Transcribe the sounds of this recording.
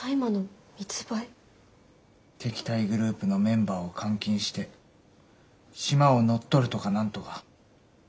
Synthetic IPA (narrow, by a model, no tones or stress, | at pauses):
aimano | mʲit͡sɨ̥bai | t̪e̞kʲi̥t̪aiɡɯ̟ɾɯ̟ːpɯ̟no̞mẽ̞mbaːo̞kʰãŋkʲĩɰ̃ɕi̥t̪e̞ | ɕimao̞no̞t̪ːo̞ɾɯ̟t̪o̞kanãnt̪o̞ka